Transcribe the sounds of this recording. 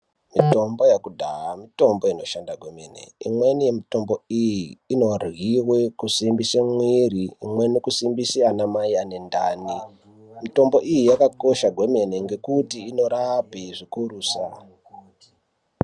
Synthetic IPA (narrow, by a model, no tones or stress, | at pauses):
mito̞mbo̞jakudʱaɦamito̞mbo̞ino̞ʃandaɡʱwe̞menḛḭmwe̞nijemito̞mbo̞ijiːno̞rɣiwekusimbisamwiriːmwe̞nikusimbisianamaiane̞nda̰ːni | mito̞mbo̞ʔijijakako̞ʃaɡʱwe̞me̞ne̞ŋɡe̞kutiːno̞ɾapiʐikuruːsa